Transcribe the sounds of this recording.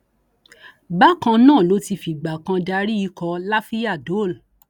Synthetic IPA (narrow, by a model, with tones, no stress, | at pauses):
ba˦kã˧nãː˦˨lo˨˦ti˧fi˨ɡ͡ba˨kã˧da˧ɾi˦i˧kɔ˧la˦fi˦a˦˨do˨˦˨l